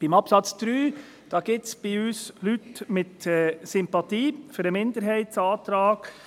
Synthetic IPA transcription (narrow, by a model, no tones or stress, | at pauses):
b̥ɪmɑpsɑt͡sd̪̥ɾyː | d̥ɑːɡ̥ɪtsb̥iyːslytmɪtɛsʏmpɑt̪iːføɾəmɪnd̪əɾɦɛɪtsɑːt̪ɾɑːɡ̥